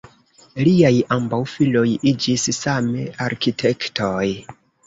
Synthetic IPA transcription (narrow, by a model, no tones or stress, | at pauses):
liajambawfilo̞jid͡ʒissame̞aɾkitʰe̞ktoj